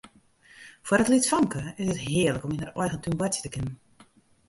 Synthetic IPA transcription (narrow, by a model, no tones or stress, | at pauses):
fwərdətlitfɔŋkʰəɪsətɦɪələkɔminərɔjɣəntynbwɛtsjə̥təkɪnən